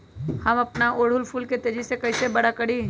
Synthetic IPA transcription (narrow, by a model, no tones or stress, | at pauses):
hɐmɐpnaʔoːɽʊlfʰuːlket̪eːd͡ʒisekɐisebɐɽakɐɽ̤i